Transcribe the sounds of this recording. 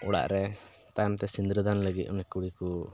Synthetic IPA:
ɔɽa̰ʔɾɛt̪ajmt̪ɛsind̪ɾəd̪anləɡit̪ˀɔnɛkuɽiku

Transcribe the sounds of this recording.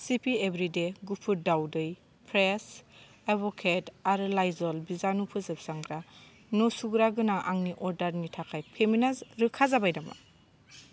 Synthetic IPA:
sipʰiebɾideɡupʰuɾdawdɯj | pʰɾes | ebɔkʰetaɾɯlajzɔlbizanupʰɯzɯpsaŋɡɾa | nosuɡɾaɡɯnaʔaŋniʔɔɾdaɾnitʰakʰajpʰeminazɾɯkʰazabajdama̰

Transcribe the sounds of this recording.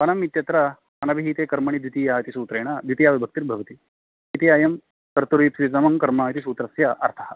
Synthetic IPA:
pɐnɐmit̪jɐt̪ɾɐ | ɐnɐbʱiɦiːt̪eːkɐɾmɐɳ̃id̪ʋit̪iːjaːt̪isuːt̪ɾeːɳ̃ɐd̪ʋit̪ijaːʋɐbʱɐk̚t̪iɾbʱɐʋɐt̪i | it̪iajɐm | kɐɾt̪uɾipid͡zɐmɐŋkɐɾmaːjt̪isuːt̪ɾɐsjɐʔɐɾt̪ʰɐɦɐ

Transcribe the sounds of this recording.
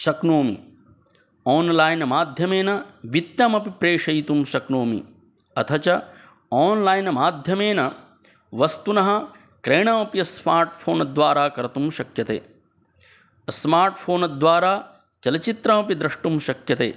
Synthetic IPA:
ʃɐknoːmḭ | ɔːnlaːjnɐmaːd̪ʱjɐmeːnɐʋit̪jɐmɐpipɾeːʂɐjt̪umʃɐknoːmḭ | ɐt̪ʰɐt͡ʃɐ | ɔːnlaːjnɐmaːd̪ʱjɐmeːnɐ | ʋɐst̪unɐɦɐ | kɾeːɳɐmɐpijɐsmaːɾʈpʰoːnɐd̪ʋaːɾaːkɐɾɐt̪umʃɐkjɐt̪ḛː | smaːɾʈpʰoːnɐd̪ʋaːɾaː | t͡ʃɐlɐt͡ʃit̪ɾɐmɐpid̪ɾɐʂʈumʃɐkjɐt̪ḛː

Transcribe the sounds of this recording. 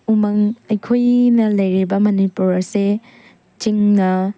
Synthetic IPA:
umɐŋɐjkʰojnɐlɐjɾibɐmɐnipuɾɐse | t͡ʃiŋnɐ

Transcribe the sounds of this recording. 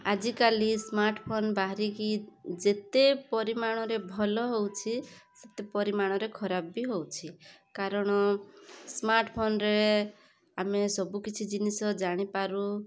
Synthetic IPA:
ad͡ʒikalismaɾʈpʰonbaɦɾikid͡ʒet̪epɔɾimaɽ̃ɔɾebʱɔlɔɦowt͡ʃʰiset̪epɔɾimaɽ̃ɔɾekʰɔɾabbiɦowt͡ʃʰikaɾɔɽ̃ɔsmaɾʈpʰonɾe | amesɔbukit͡ʃʰid͡ʒinisɔd͡ʒaɽ̃ipaɾũ

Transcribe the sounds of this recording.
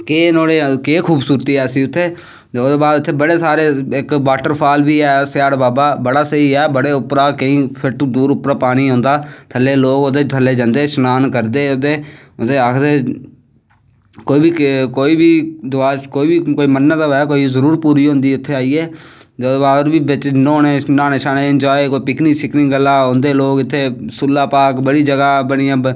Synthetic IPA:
keːnoːɽeːkeːkʰuːbsuːɾt̪iːɛːsiːʊt̪ʰːeː | t̪eːoːd̪eːbaːd̪ʊt̪ʰːeːbəɽeːsaːɾeːɪkbaːʈəɾpʰaːlbiːɛːsjaːɽbaːbaːbəɽaːsəiːɛːbəɽeːʊpɾaːkəĩːpʰɪʈd̪uːɾʊpɾaːpaːɽ̃iːɦõːnd̪aːt̪ʰəlːeːloːkod̪eːt̪ʰəlːeːd͡ʒə̃nd̪eːsnaːnkəɾd̪eːod̪eː | ʊd̪eːaːkʰd̪eː | koːiːbiːkkoːiːbiːd̪ʊaːkoːiːbikoːiːmənːət̪aɛːkoːizəɾuːɾpuːɾiːɦõːnd̪iːʊt̪ʰːeːaːiːɛː | d͡ʒəoaːɾbiːbɪt͡ʃnõːneːsnaːneːʃaːneːɪnd͡ʒaːekoːiːpɪkniksɪkniːɡəlːaːõːnd̪eːloːkɪt̪ʰːeːsʊlːaːpaːkbəɽiːd͡ʒəɡaːbəɽijãː

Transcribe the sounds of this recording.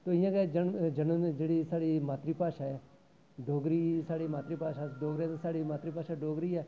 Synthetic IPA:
t̪oːɪjãːked͡ʒənd͡ʒənd͡ʒeːɽiːsaːɽiːmaːt̪ɾiːpaːʃaɛ | ɖoːɡɾiːsaːɽiːmaːt̪ɾiːpaːʃaɖoːɡɾẽːt̪esaːɽimaːt̪ɾiːpaːʃaɖoːɡɾiːɛː

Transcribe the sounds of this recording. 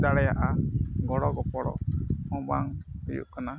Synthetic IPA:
d̪aɽɛjaʔaɡɔɽɔɡɔpɔɽɔ̰mɔ̃ba̰ŋhujṵʔkana

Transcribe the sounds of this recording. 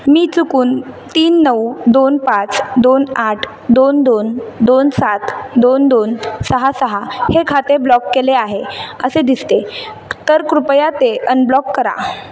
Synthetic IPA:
miːt͡sukuːnt̪iːnːəwd̪onpat͡sd̪onaʈʰ | d̪ond̪ond̪onsat̪d̪ond̪onsəɦasəɦahekʰat̪eblɔkːeleaɦeəsed̪ist̪e | t̪əɾkɾupjat̪eʔənblɔkːəɾa̰

